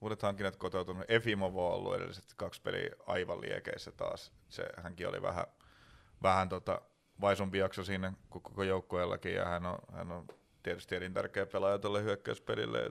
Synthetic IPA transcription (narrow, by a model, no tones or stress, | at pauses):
uːɾet̪hɑŋkːinet̪kot̪out̪unuʔefimoʋoːo̰lːṵḛɾḛlːiset̪kɑkspelḭɑiʋɑlḭekḛisːæt̪ɑ̰ːs | sḛhæŋkio̰lḭʋæ̰hæ̰ | ʋæhænt̪ot̪ɑ̰ | ʋɑisumpijɑksosiːnːækokːokojoukːoelːɑ̰kijɑ̰hæno̰hæ̰nːon | t̪iet̪y̥st̪ierint̪ærkeːpelɑjɑt̪olːehyøkːæyspelilːḛ